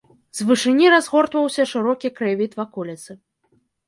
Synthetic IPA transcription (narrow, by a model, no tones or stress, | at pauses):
zvɨʂɨnʲiɾazɣɔrt̪vɐwsʲɐʂɨɾɔkʲikɾɨvʲit̪vakɔlʲɛt̪sɨ